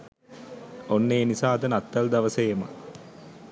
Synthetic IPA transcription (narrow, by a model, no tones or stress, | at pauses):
onːeːnisaːɐd̪ənat̪ːald̪aʋəsejema̰